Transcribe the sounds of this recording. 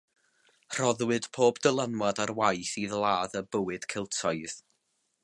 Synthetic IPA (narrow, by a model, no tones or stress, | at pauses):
r̥ɔðwɨd̥pʰoːbd̥əlˠanwadarwajθiðlˠaːðəbəwɨd̥kʰɪlˠtʰɔɨð̥